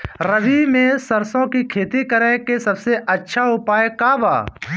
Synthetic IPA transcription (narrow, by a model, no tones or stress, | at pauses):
ɾəʋimẽsəɾsõːkikʰeːt̪ikəɾẽːkesəbseʔətːʃʰaɦopaːekaːba̰ː